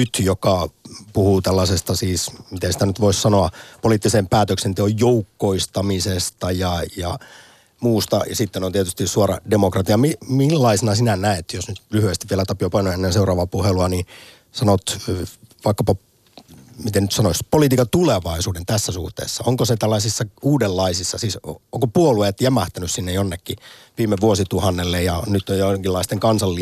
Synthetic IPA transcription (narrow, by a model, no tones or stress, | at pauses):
nyt̪jokɑpuhuːt̪ælːɑsest̪ɑsiːsmit̪ensi̥t̪ænyt̪ʋoissɑnoɑpoliːt̪ːisempæːt̪øksent̪eojjoukːoist̪ɑmisest̪ɑjɑjɑ̰ | muːst̪ɑ̰sit̪ːenont̪iet̪yst̪issuɑrɑ̰demokrɑt̪iɑmimilːɑisenɑsinænæet̪josnyt̪lyhyest̪iʋielæt̪ɑpjopɑinoenːenseurɑːʋɑpuheluɑniːn | sɑnot̪ | ʋɑikːɑpɑ | mit̪enyt̪sɑnoispolit̪iːkɑt̪uleʋɑisuːdent̪æsːæsṵht̪ḛːsːɑoŋkoset̪ælːɑisisːɑuːdelːɑisisːɑsiːsoŋkopuoluet̪jæmæht̪ænyssinːejonːekːiʋiːmeʋuosit̪uhɑnːelːejɑnyt̪ːojoŋkilːɑist̪eŋkɑnsɑlːi